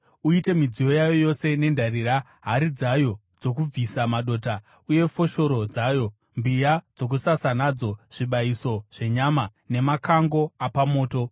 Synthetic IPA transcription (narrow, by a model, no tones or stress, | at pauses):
uite̞mid͡zijo̞jajo̞jo̞se̞ne̞ndariːɾa | ɦaɾid͡zajo̞ | d͡zo̞k̬ub͡visamaɗo̞ːta | uje̞fo̞ʃo̞ɾo̞d͡zajo̞ | mbijad͡zo̞k̬usasanad͡zo̞ʐ̥iɓaiso̞ʐ̥e̞ɲama | ne̞makʰaŋɡo̞apamo̞ːto̞